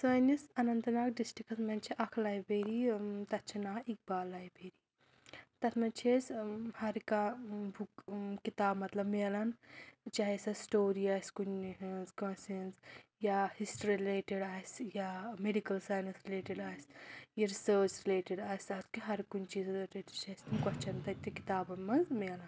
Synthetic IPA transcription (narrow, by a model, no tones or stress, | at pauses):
saːjnisɐnɐnt̪ɐnaːkɖisʈɾikɐsmɐnt͡ʃʰiʔɐkʰlajbeːɾit̪ɐt̪̚t͡ʃʰinaːik̚baːlajbʱeːɾiː | t̪ɐt̪ʰmɐnt͡ʃʰeshɐɾikabʱukkit̪aːbmɐt̪lɐbmeːlɐnt͡ʃaɦesɐsʈoːɾiaːskunzkɐ̃nsenzjahisʈɾiiɾileːʈeɖaːsjameɖikɐlsaːjnɐnsɾileːʈiɖaːjsjɐɾisəːt͡ʃɾileːʈiɖaːsɐt̪kiɦɐɾkunt͡ʃiːzɾeːʈit͡ʃʰɐst̪imkɐt͡ʃʰɐnt̪ɐt̪ikit̪aːbɐmɐnzmeːlɐn